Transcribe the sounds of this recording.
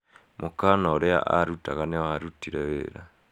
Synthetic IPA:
mʔokanaoɾea̰ʔaɾutaɣanewaɾutiɾɛwḛːɾa

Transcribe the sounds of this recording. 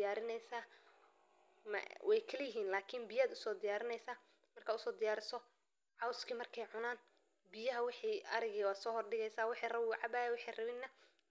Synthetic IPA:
jaːɾɪnɛjsaː | mɐ̰wɛjkʰɐlɛjɪɦiːnlaːkʰɪnbɪjaːd̪ʊsɔːd̪ɪjaːɾɪnɛjsaː | mɐrkʰaːʊsɔːd̪ɪjaːɾɪsɔ | ʕɑwskʰiːmɐrkʰɛjʕʊnaːn | bɪjɐɦɐwɪħiːɐɾɪɣiːwaːd̪sɔːɦɔrɖɪɣɛjsaːwɪħiːrɐbwʕɑbaːjɛwʊħɛjrɐβɪnːɐ

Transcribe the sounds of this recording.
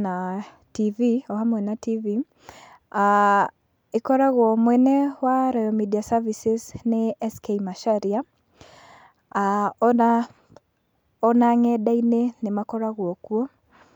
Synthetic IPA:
na | tiviɔhamwɛnativi | a | ikɔɾaɣwɔmwɛnɛwaɾajɔmidiasavisesneɛskeimaʃaɾia | an | ɔnaŋɛɗainenemakɔɾaɣwɔkuɔ

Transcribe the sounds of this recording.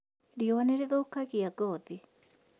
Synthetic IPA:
ɾiowaneɾeðoːkaɣiaɡɔði

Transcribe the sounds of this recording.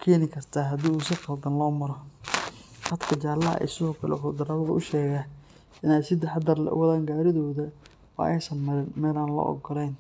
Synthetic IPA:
kʰɛːnɪkʰɐrt̪ʰaːɦɐd̪iːuːsɪqɑld̪ɐnlɔːmɐɾɔ | h̪ɐd̪kʰɐt͡ʃaːlːɐɦɐ̰ʔɛ̰ɪ̰jsɪðɔːkʰɐlɛ̰ħʊd̪ɐɾɐβɐðɐʔʊʃɛːɣa | ɪnaːjsɪd̪ɪħɑd̪ɐrlɛ̰ʔʊ̰wɐðaːŋɡaːɾɪðɔːðɐ | wɑ̰ːʔɛjnsɐnmɐɾɪnmɛːlaːnlɔ̰ːʔɔ̰ɡɔlɛjn

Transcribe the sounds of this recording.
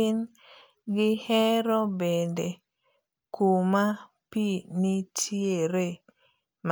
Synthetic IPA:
ɪn | ɡɪhɛɾɔbende | kuma | pinitʰieɾe | m

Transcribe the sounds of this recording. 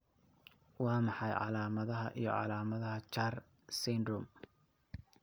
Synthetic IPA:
wɑːmɑħɑjʕɑ̰laːmɐðɐɦɐʔḭjɞ̰ʕɑ̰laːmɐðɐɦɐt͡ʃar | sɪnd̪ɾʊm

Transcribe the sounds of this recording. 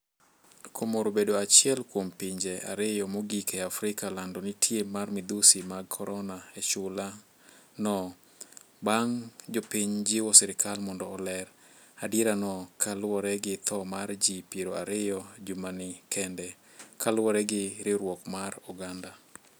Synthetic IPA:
kʰomoɾobedoat͡ʃɪɛlkwompiɲd͡ʒɛʔa̰ɾɪjɔmoɡikɛafɾɪkalandɔnɪtʰjemarmɪd̪usimaɡkʰɔɾɔnaet͡ʃʊla | nɔ | baŋd͡ʒopiɲd͡ʒɪwɔsɛɾɪkalmɔndɔːlɛɾ | adɪɾanɔkʰalwɔɾɛɡɪt̪ʰɔmard͡ʒipiɾoaɾɪjɔd͡ʒumanɪkʰɛndɛ | kʰalwɔɾɛɡɪɾɪɾwɔkmaruɡanda

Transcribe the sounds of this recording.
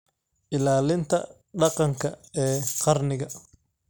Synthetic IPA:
ʔɪlaːlɪnt̪ʰɐ̰ | ɖɑqɑŋkʰɐɛːqɑrnɪɣɐ

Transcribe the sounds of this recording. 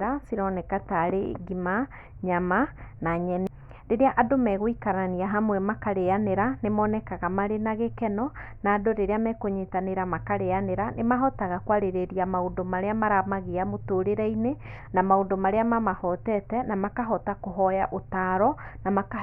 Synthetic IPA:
ɾasiɾɔnekataɾeɡima | ɲamanaɲɛn | ɾeɾeaʔadomɛɣoikaɾaniaɦamwɛmakaɾeaneɾanemɔːnɛkaɣamaɾenaɣekɛnɔ | naːdoɾeɾeamɛkoɲetaneɾamakaɾeaneɾanemaɦɔtaɣakwaɾeɾeɾiamaondomaɾeamaɾamaɣeamotoːɾeɾaine | namaondomaɾeamamahɔtɛtɛnamakaɦɔtakoɦɔjaʔotaːɾɔnamaka

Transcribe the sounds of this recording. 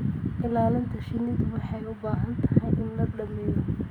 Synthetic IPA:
ɪlaːlɐnt̪ʰɐʃɪnɪðɐwɑħɑjʊbaːɦɐnt̪ʰɐɦɐjɪnlɐɖɐmɛːjɔ

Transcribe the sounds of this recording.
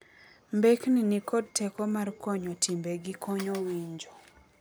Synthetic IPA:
mbekninikodtɛkɔmarkɔɲɔtʰimbeɡɪkɔɲɔwiɲd͡ʒo

